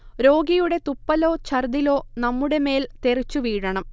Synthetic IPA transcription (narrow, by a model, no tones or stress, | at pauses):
ɾo̞ːɡijuɽe̞t̪upːɐlo̞ːt͡ɕʰɐrd̪ilo̞ːnɐmːuɽe̞me̞ːlt̪e̞rit͡ɕːuʋiːɻɐɳɐm